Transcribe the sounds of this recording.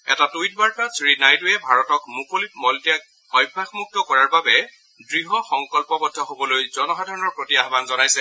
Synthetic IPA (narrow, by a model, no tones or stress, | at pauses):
ɛ̰tatujt̚baɹtasɹinajtujɛbʱaɹɔtɔkmukolitmɔltijak | ɔjbʱːaxmuk̚tɔkɔɹaɹbabɛ | dɹiɦɔxɔŋkɔlpɔbɔdʱːɔɦobɔlojzɔnɔxadʱaɹɔnɔɹpɹotiaɦbanzɔnajsɛ